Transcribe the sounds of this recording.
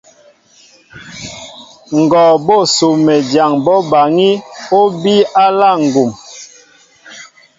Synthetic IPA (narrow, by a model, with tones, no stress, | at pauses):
ŋ̩˨ɡɔ˨bɔ˦˨so˨mɛ˨dja˨ŋbɔ˦ba˨ŋi˦o˦bi˦a˦la˦˨ŋ̩˨ɡu˨m